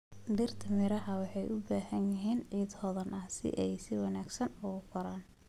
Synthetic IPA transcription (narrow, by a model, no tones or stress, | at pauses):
d̪ɪrt̪ʰɐmɪɾɐɦɐwɑħɑjʔʊbaːhɐnjɪɦiːnʕiːd̪hɔːðɐnʔɐhsɪ̰ʔɛjsɪwɑnaːɡsɐnʊɣʊkʰɔɾaːn